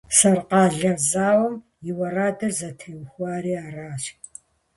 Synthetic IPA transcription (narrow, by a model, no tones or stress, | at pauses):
sɐrqɑːɮɐrzaːwɐm | jɪwɐraːdɐrzɐtʰɐwxʷaːɾiːaːraːʃ